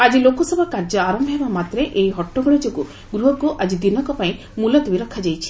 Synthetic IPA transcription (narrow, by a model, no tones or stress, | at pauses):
ad͡ʒilokɔsɔbʱɔkaɾd͡ʒɔaɾɔmbʱɔɦebamat̪ɾeʔejɦɔʈːɔɡɔɽid͡ʒɔku | ɡɾuɦɔkuʔad͡ʒid̪inɔkɔpaĩ | mulat̪ibiɾɔkʰad͡ʒajt͡ʃʰi̥